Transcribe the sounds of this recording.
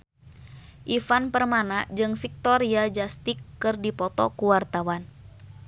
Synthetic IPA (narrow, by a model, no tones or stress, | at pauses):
ʔifanpərmanad͡ʒɨŋfik̚t̪ɔɾiad͡ʒast̪ikːɨrdipɔt̪ɔ̰kuwart̪awan